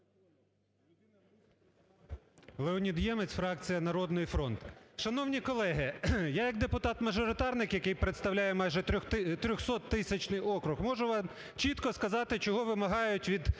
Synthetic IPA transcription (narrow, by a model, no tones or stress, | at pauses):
lˠeɔnʲid̪jɛmet͡sʲfɾɑkt͡sʲijɐnɐɾɔd̪nɔjifɾɔnt̪ʃɐnɔwnʲikɔlˠɛɦɪjajɐkd̪epʊt̪ɑt̪mɐʒɔɾɪt̪ɑrnɪkjɐkɪjpɾet̪st̪ɐwlʲajɛmɑjʒɛt̪ɾʲɔxsɔt̪ːɪsʲɐt͡ʃnɪjɔkɾʊxmɔʒʊʋɑm | t͡ʃit̪kɔskɐzɑt̪ɪt͡ʃɔɦɔʋɪmɐɦɑjʊtʲʋʲid̪